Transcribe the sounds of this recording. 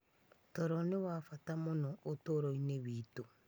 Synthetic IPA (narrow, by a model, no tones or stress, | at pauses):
tɔɾɔnewafatamonɔʔotoɾoineβiːto